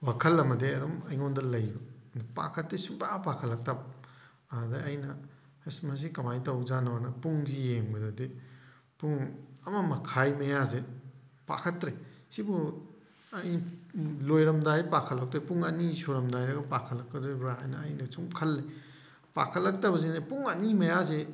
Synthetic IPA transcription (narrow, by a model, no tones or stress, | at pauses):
wakʰɐlːɐmɐdeɐdɔmɐjŋondɐlɐjbɐdɐpa̰kʰɐtːesumbapakʰɐlːɐk̚tɐp̚ | adeɐjnɐ | hesmɐs̬ikɐmajtɐwzanɐwanɐpuŋzijeŋbɐdode | puŋɐmɐmɐkʰajmɐjazepa̰kʰɐtɾesibu | ɐj | lojɾɐmdajpakʰɐlːɐk̚tajpuŋɐnisoɾɐmdajɾɐɡɐpakʰɐtlːɐkɐdɐɾaajnɐːjnɐsʰumkʰɐlːi | pa̰kʰɐtlːɐk̚tabɐzenɐpuŋɐnimɐjaze